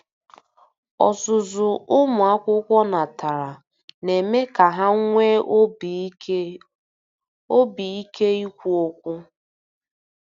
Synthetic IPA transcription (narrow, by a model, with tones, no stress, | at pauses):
ɔ̰˨sʊ˨zʊ˨ʊ˦mʊ˨a˦kʷʊ˦kʷɔ˦na˨ta˨ɾa˨ | ne˨me˦ka˨ɦa˦ŋʷe˦ | o˦bi˨i˦ke˦i˦kʷu˦o˦kʷʊ˦